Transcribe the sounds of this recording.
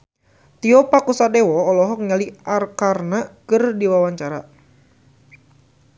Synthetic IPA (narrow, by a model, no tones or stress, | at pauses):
t̪iɔpakusadewɔːlɔɦɔk̚ɲaliʔarkarnakɨrdiwawaɲt͡ʃaɾa